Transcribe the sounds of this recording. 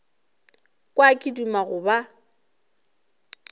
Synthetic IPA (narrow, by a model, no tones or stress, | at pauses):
kʼwakʼidumaɣʊba